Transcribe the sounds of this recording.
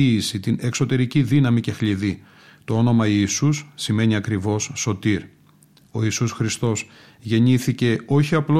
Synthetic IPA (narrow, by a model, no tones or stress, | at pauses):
iːsit̪ine̞kso̞t̪e̞ɾiciðinɐmice̞xliði | t̪o̞o̞no̞mɐiːsusːime̞ɲiɐkɾivo̞sːo̞t̪iɾ | o̞iːsusxɾist̪o̞s | ʝe̞ɲiθice̞o̞çiɐplo